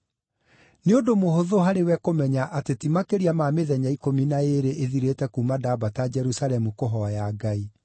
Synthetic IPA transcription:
neodomohoðoɦaɾewɛkomɛɲaʔatetimakeɾiamameðɛɲaikominaeɾeʔeðiɾetɛkumadabatad͡ʒɛɾusalɛmukoɦɔjaɡai

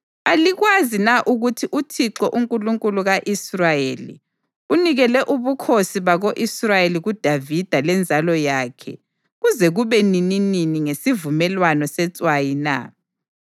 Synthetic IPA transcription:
aliɣwazinaʔuɣutʰiʔutʰiǁɔʔuŋkʼuluŋkʼuluɣaʔisrajeːlḭ | uniɣɛlɛʔuβukʰosiβaɣoʔisrajeliɣud̥ʱavid̥ʱalɛnd͡zʱalɔjaːkʰɛ̰ | ɣuzɛɣuβɛninininiŋesivumɛlwanɔsɛt͡sʼwajina̰

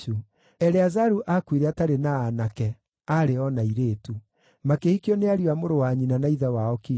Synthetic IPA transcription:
u | ɛɾɛazaɾuʔakwiɾɛataɾenaːnakɛ | aɾeɔnaiɾeːtu | makehikjɔneaɾiwamoɾowaɲinanaiðawaɔki

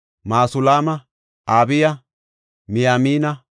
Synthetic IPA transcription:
maːsʊlaːmɐ | aːbɪjɐ | mɪjaːmiːnɐ

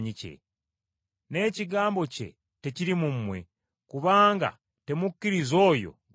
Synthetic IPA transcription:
ɲice̞̰ | ne̞ːciɡaːmbo̞ce̞̰ | te̞ciɾimummwe̞̰ | kuβaːŋɡa̰ | te̞mukːiɾizo̞ːjo̞̰ɡ

